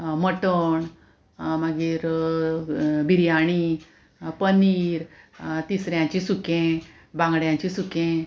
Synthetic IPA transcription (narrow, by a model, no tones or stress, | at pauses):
məʈəɳ | maɡiːɾ | bʱiɾjaɽ̃i | pəniːɾt̪isɾjãɲt͡ɕĩsukẽ | bãŋɡɽjãɲt͡ɕisukẽ